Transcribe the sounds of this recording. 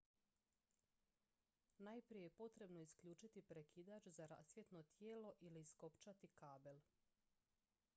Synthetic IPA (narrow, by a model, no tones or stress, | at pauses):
naːjpɾijejepo̞t̪ɾe̞bno̞iskʎuːt͡ʃit̪ipɾekʰid̪at͡ʃzaɾa̰sʋjet̪no̞t̪jeːlo̞ʔiliːsko̞pt͡ʃat̪ikaːbe̞l